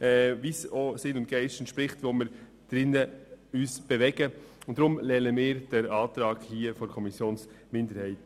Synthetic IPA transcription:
ɛvisoːsɪnʊntɡ̥ɛɪʃtənʃpɾɪχtʋomɪːɾ | d̥ɾɪnːəyːsb̥ɛvɛɡ̥əʊntd̥ɾʊmlɛnəmɪːɾd̥ɛɾɑːtɾɑːɡhiːəfɔɾkʰɔmisjoːnsmɪndəɾhɛɪt

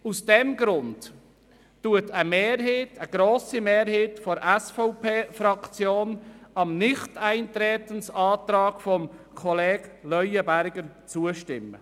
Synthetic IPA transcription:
usd̥ɛmɡɾʊnd | uətʰəmeːɾɦeːtʰəɡ̥ɾoːsimeːɾheːtfɔɾʔɛsfɔʊpʰeːfɾɑkt͡sjoːnɑmnɪχtæɪntɾɛːtənsɑːt̪ɾɑːɡ̥fɔmkʰɔleːɡ̥lœʏəbæɾɡəɾt͡suəʃtɪmːə̰

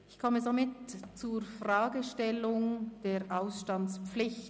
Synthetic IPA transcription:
ɪçkʰɔmədamɪtt͡suɾfʁaːɡəʃtɛlʊŋd̥eːɾʔaʊsʃtɑnt͡spp͡flɪç

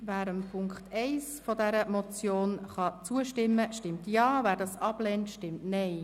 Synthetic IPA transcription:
væːɾəmpʰʊŋkχtɛɪsfɔdɛɾəmɔt͡sjoːnχɑt͡suəʃtɪmːəʃtɪmtjɑːvæːɾdɑsɑb̥lɛntʃtɪmtnɛɪ

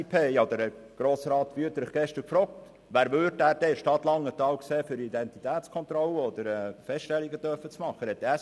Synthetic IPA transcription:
pʰeːod̪əɾəɡ̥ɾoːsɾɑːt̪ʋyətəɾəχɡ̥ɛʃtəɾkfɾɔːk̚t | ʋæːɾʋʏɾdæːɾd̥ɛɪʃtɑt̪lɑŋət̪ɑːwkseːfʏɾidɛnt̪it̪æːtt͡skʰɔnt̪ɾɔləɔd̥̪əɾɛːfɛstɛlːiɡətœɾfət͡smɑχːəhɛt̪ːæː

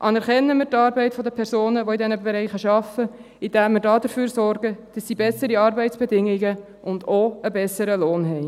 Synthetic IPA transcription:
ʔɑnɛɾχɛnːəmɪːtɑːɾbɛɪtfɔdəpʰɛɾsoːnəʋoidɛnəbɛɾɛɪχəʃɑfə | id̥æːmːɪɾdɑːd̥əɾfyːɾsɔɾɡəd̥ɑsːiːbɛsəɾiɑːɾbɛɪtt͡sb̥ɛdɪŋiɡə | ʔʊndoəbɛsəɾəloːnɦɛɪ

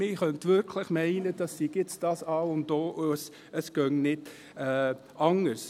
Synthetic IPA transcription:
mɪχœntʋɪɾkʰləχmɛɪnəd̥ɑsːiɡɪt͡sd̥ɑsɑːʊntːoːʔs | əsɡ̥œŋnɪd | ɛː | ʔɑŋəɾs

